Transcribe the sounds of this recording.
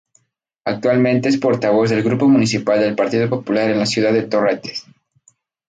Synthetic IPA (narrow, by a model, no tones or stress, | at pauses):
ak̚t̪walmẽnt̪e̞espo̞ɾt̪aβ̞o̞zðe̞lɣɾupo̞mũnisipald̪e̞lpaɾt̪iðopo̞pulaɾe̞nlasjuð̞aðet̪o̞ret̪e̥s